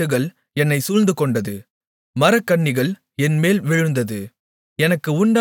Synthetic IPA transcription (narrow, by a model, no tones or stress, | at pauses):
ɯɣɐɭ | ɛnːɐɪsʊlnd̪ɯkɔɳɖɐðɯ | mɐɾɐkːɐɳːɪɣɐɭ | ɛnmeːlʋɪɻɯnd̪ɐðɯ | ɛnɐkːɯʊɳɖa